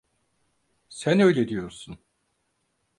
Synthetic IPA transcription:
sænø̞jlʲed̪ijo̞ɾsun

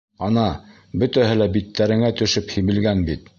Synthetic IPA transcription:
ɑnɑ | bɵ̆t̪æɦɘlæbit̪ʰːæɾɘ̆ŋæt̪ɵ̆ʃɵphiβɘ̆lɡænbit̪

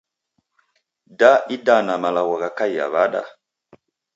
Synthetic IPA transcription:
daidanamalawaɣakaja̰βaɗa̰

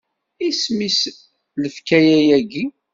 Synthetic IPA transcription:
ismis | ləfkæjæjæɡi

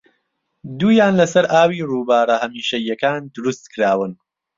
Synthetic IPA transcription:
d̪uːjaːnlɐsɐɾʔaːwiːruːbaːɾɐhɐmiːʃɐjɐkaːnd̪ʊɾust̪kɨɾaːwɨn

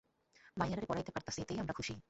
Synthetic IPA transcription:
majaɾeɾpɔɾajt̪epaɾt̪aset̪ejamɾakʰuʃi

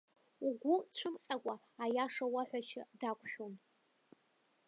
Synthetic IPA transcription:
uɡʷʊt͡ɕʷʰɨmqʲʼakʷʼaːjaʂawaħʷᶣat͡ʃʰɪ̰dakʷʰʼʃᶣom

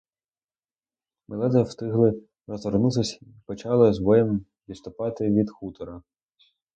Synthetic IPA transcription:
melˠɛd̪ɐst̪ɪɦlˠɪ | ɾzɔrnut̪ɪsʲ | pɔt͡ʃɑlˠɐzbɔjɛm | ʋʲit̪st̪ʊpɑt̪ɪʋʲid̪xut̪ɔɾɐ

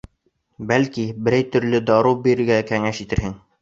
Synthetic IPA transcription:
bælkibɘ̆ɾæjt̪ɵ̆ɾlɘd̪ɑɾubiɾɘ̆ɾɡækæŋæʃit̪ɘ̆ɾhɘŋ

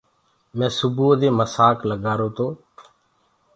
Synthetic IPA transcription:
mɛ̃ːsʊbuːd̪eːməsaːkləɡaːɾoːt̪oː

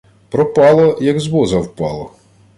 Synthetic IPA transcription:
pɾɔpɑlˠɔjɐɡzbɔzɐwpɑlˠɔ

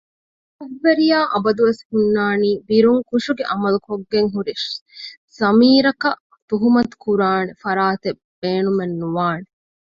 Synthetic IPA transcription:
ɐʋːeɾijaːʔɐbɐd̪uʋeshunːaːniːbiɾuŋkuʂuɡeʔɐmɐlukoɡːeŋɦuɾiʃ | z̥ɐmiːɾɐkɐʔ | t̪uɦumɐt̪u̥kuɾaːnefɐɾaːt̪ebbeːnumenːuʋaːne

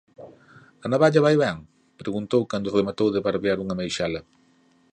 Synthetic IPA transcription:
ɐnaβaʎɐβajβɛŋ | pɾeɣunt̪owkand̪ʊremat̪owðeβaɾβjaɾuŋɐmejʃalɐ

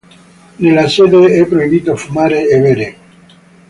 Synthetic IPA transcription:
nelaseðeɛpɾoiβit̪ofumaɾeːβeɾe

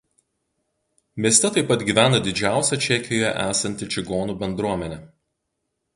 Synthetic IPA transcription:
mʲiɛsʲt̪ʲɛt̪ɐɪpːɐt̪ɡʲiːʋʲæːnɐd̪ʲɪd͡ʒʲæˑʊsʲɛt͡ʃʲɛkʲɪjoːjɛ̰ʔæːsɐnʲt̪ʲɪt͡ʃʲɪɡoːnuːbʲɛnd̪ɾuɔmʲɛnʲɛ

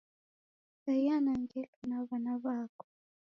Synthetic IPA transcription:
sajjanaŋɡɛkanaβanaβakɔ̥

